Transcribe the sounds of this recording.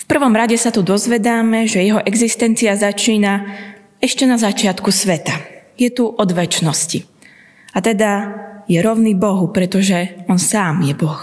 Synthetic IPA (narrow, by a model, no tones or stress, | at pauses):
fpr̩ʋɔmɾaɟɛsat̪ud̪ɔzʋɛd̪aːmɛʒɛjɛɦɔʔɛɡzist̪ɛnt͡siazat͡ʃiːna | ɛʃcɛnazat͡ʃɪat̪kusʋɛt̪ajɛt̪uʔɔd̪ʋɛt͡ʃnɔsci | at̪ɛd̪ajɛɾɔʊnibɔɦupɾɛt̪ɔʒɛɔnsaːmjɛbɔx